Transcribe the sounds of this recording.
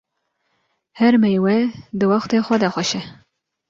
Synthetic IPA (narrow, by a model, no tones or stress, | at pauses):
hɛɾmɛjwɛd̪ɨwɑxt̪eːxʷɛd̪ɛxʷɛʃɛ